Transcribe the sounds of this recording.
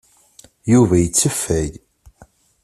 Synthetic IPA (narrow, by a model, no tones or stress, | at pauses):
juvæjət͡sːəfːæj